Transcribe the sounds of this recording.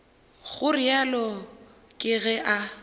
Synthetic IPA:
ɣʊrɪalɔ | kʼɪɣɛʔa

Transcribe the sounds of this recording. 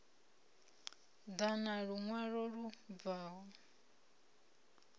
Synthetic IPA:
d̪anaɺuŋwaɺɔɺub̪vaːwɔ

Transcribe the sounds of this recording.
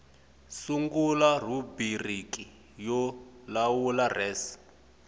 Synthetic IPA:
suŋɡular̤ubiriki | jɔlawularɛːs

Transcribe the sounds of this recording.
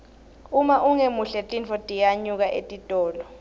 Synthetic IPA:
umaʔuŋemuɬɛtʼinfɔtʼijaɲuk̬aʔetʼitʼɔːlɔ

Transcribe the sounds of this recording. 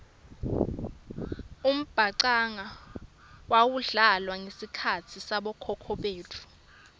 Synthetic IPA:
um̩b̥ʱaǀaŋa | wawuɮalwaŋesikʰatʰisaɓɔkʰɔkʰɔɓeːtʰu̥

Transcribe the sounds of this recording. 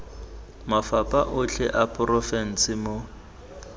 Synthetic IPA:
mafapʼaʔʊt͡ɬʰɛʔapʼrɔfɛn̩sɪmo

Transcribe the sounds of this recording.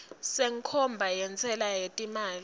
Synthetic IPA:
seŋkʰɔmbʱajɛnt͡sʼɛlajetʼimaːl

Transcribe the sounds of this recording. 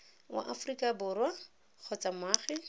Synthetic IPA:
wa̰ʔafrikʼabʊrwa | q͡χʰɔt͡sʼamaːχɛ

